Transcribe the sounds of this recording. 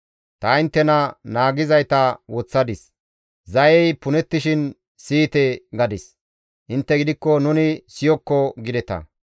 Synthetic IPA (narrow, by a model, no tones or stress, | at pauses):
t̪ɐɪnt̪ːɛnɐnaːɡɪzɐjt̪ɐwɔt͡sːɐd̪ɪs | zɐjɛjpʊnɛt̪ːɪʃɪn | siːt̪ɛɡɐd̪ɪs | ʔɪnt̪ːɛɡɪd̪ɪkːɔnʊnɪsɪjɔkːɔɡɪd̪ɛt̪ɐ̰